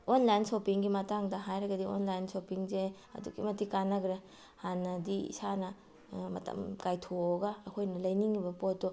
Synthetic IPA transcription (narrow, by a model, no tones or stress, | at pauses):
onlajnsopiŋɡimɐtaŋdɐɦajɾɐɡɐdio̰nlajnsopiŋze | ɐ̰duɡḭmɐtikanːɐɡɾe | hanːɐdiḭsanɐ | mɐtʰɐ̰mkajtʰooɡɐːkʰojnɐlɐjniŋibɐpotːo